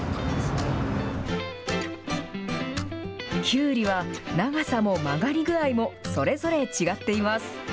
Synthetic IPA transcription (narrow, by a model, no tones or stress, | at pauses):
kʲʰɨːɾʲiβanaɡasamo̞maɡaɾʲiɡɯ̟ɾaimo̞so̞ɾe̞zo̞ɾe̞t͡ɕiɡat̪ːe̞imasɨ̥